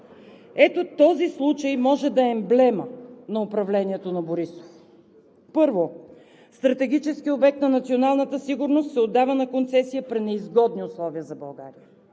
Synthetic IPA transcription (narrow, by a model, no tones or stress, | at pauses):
ɛt̪ot̪ɔzislˠut͡ʃəjmɔʒɛd̪ɐɛmblɛmənɐʊpɾɐvlɛniɛt̪onɐboɾiso̥f | pɤɾvo | st̪ɾɐt̪ɛɡ̟ʲit͡ʃɛskiobɛk̚t̪nɐnɐt̪sionalˠnət̪əsiɡʊɾnost̪sɛod̪ːavənɐkont̪sɛsijəpɾinɛizɡɔd̪niʊslˠɔviəzɐbɐlˠɡaɾijə